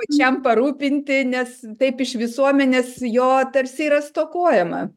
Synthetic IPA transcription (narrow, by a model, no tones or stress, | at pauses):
t͡ʃʲɛmpɐɾuːpʲɪnʲt̪ʲɪnʲɛst̪ɐɪpɪʃʋʲɪsuɔmʲɛnʲeːsjoːt̪ɐɾʲsʲɪːɾɐst̪oːkuɔjɛmɐ̰